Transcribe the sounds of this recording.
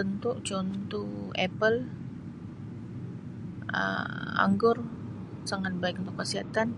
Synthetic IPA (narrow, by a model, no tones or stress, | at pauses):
ənt̪uʔt͡ʃɔnt̪uɛpəl | ə̰a̰ŋɡʊr | saŋat̪̚baɪk̚unt̪ʊkːəsiɦat̪an